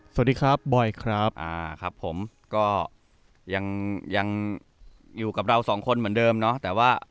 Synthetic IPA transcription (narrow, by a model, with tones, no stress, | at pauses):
sa˨˩˨diː˧kʰɾa˦˥p̚bɔ˨˩jkʰɾa˦˥p̚ʔa̰ː˧˩kʰɾa˦˥p̚ʰːo˩˦m | kɔː˥˩ | ja˧ŋja˧ŋ | juː˨˩ka˨˩p̚ɾa˧wsɔː˩˦ŋkʰo˧nmɯ˩˦əndɤː˧mnɔ˦˥t̪ɛː˨˩waː˥˩